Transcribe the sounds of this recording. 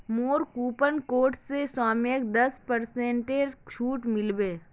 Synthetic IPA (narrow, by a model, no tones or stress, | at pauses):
moːɾkuːpənkoːʈːesaːmjək̚d̪ɐspəɾsẽːɳʈeɾt͡ʃʰuːʈmɪlbeː